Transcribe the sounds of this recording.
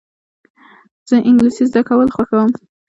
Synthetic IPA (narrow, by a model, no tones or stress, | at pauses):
z̥əʔɪŋɡlisizd̪akawəlxwaxawəm